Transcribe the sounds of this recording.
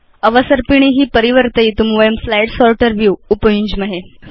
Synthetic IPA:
əʋəsəɾpiɳ̃iɦiːpəɾiʋəɾt̪əiːt̪umʋəjəmflajʈsɔlʈəɾʋjuupəjũɲd͡ʑməɦe

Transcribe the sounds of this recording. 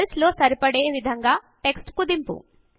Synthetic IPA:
slo̞ːsɐɾipɐɽeːʋid̪ʱɐŋɡaː | ʈe̞ksʈkud̪impṵ

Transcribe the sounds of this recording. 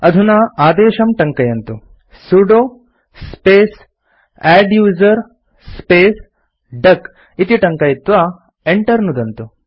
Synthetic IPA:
ɐd̪ʱunaːaːd̪eːʃɐmʈɐŋkɐjɐnt̪u | suɖoː | speːs | ɛːɖjuːzɐɾ | speːs | ɖɐk | it̪iʈɐŋkɐjit̪ʋaː | eɳʈɐɾnud̪ɐnt̪u

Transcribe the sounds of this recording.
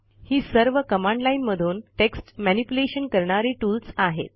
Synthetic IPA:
hiːsəɾʋəkəmãɳɖlainməd̪ʱuːnʈeksʈmænipuleɕənkəɾɳ̃aɾiːʈuːlsaɦḛt̪

